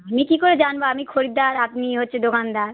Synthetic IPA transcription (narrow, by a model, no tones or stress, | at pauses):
amikikoɾed͡ʑanboamikʰoɾid̪aɾapniɦotːɕʰed̪okand̪aɾ